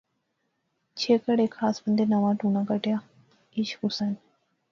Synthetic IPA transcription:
t͡ʃʰeːkəɽeːkʰːaːsbənd̪eːnəʋãːʈuːnãːkəʈɪjaː | ɪʃkʊsən

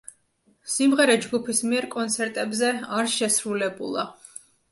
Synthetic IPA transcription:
simʁɛɾɛd͡ʒɡupʰismiɛɾkʼɔnt̪sʰɛɾt̪ʼɛbzɛaɾʃɛsɾulɛbṵlˠa

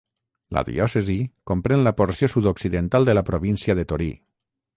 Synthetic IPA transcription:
la̰ðḭɔsezikompɾenlapoɾsijosuðoksiðent̪alˠd̪əlapɾoβinsiaðet̪oɾḭ

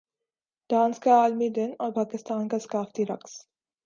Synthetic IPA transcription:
ɖ̥ãːnskaaːlmid̪ɪnɔːɾpaːkɪst̪aːnkaskaːft̪iɾɐ̰ks

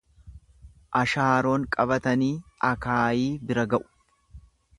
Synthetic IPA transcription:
ʔɐʃaːɾo̞ːŋkʼɐbɐt̪ɐniːɐkaːjiːbɪɾɐɡɐʔʊ̥

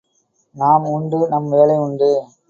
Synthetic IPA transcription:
naːmʊɳɖɯnɐmʋeːlɐɪʊɳɖɯ

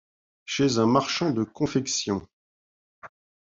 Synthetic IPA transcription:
ʃezɛ̃maʁʃɑ̃d̪əkɔ̃fɛksjɔ̃

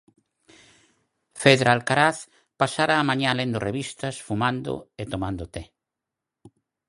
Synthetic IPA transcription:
feðɾaalkaɾaθ | pasaɾaːmãɲãlend̪oreβist̪ɐsfumãnd̪ʊ̰et̪omãnd̪ʊt̪e

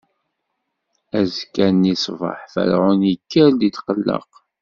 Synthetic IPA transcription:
æzkːænisvə̰ħfæ̰ɾʕʊnjəkːəɾd̪it̪qəlːə̰q

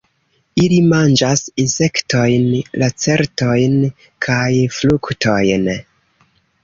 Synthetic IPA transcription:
ilimand͡ʒasise̞kto̞jnlʔat͡se̞ɾto̞jn | kʰajfluktʰo̞jn

